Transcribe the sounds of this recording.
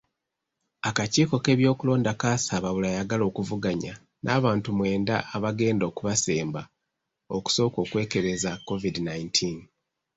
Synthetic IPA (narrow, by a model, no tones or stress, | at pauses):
akaciːko̞ke̞βjo̞ːkulo̞ːndakaːsaβaβulajaɡalo̞ːkuvuɡaɲa | nʔaːβaːntumwe̞ːndaːβaɡe̞ːndo̞ːkuβase̞ːmba | o̞ku̥so̞ːko̞ːkwe̞ːke̞ɾe̞zakːo̞vidinaintʰin